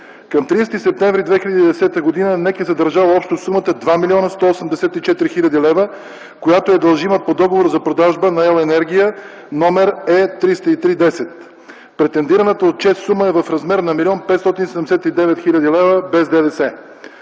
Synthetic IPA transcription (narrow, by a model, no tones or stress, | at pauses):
kɐmt̪ɾist̪isɛp̚t̪ɛɱvɾid̪vɛxilʲəd̪id̪ɛsɛt̪əɡod̪inənɛkɛzəd̪əɾʒavəɔpʃt̪osumət̪əd̪vamilʲiɔnəst̪ɔosəmd̪ɛsɛt̪it͡ʃɛt̪ɾixilʲɐd̪ilɛvə | kojat̪oɛd̪ɐlˠʒiməpod̪ɔɡovoɾzɐpɾod̪aʒbənɐɛlˠɛnɛɾɡ̟ijə | nɔmɛɾɛt̪ɾist̪əit̪ɾid̪ɛsɛt̪ | pɾɛt̪ɛnd̪iɾənət̪əot̪̚t͡ʃɛst̪suməɛvəfɾɐzmɛɾnɐmilʲiɔnpɛt̪st̪ɔt̪insɛd̪ɛmdɛsɛt̪id̪ɛvɛt̪xilʲəd̪ilɛvəbɛzd̪ɛd̪ɛsɛ